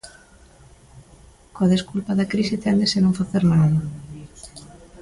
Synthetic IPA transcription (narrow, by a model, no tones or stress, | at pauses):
koaðeskulpɐðɐkɾisɪt̪ɛnd̪esɪnõŋfaθeɾnaðɐ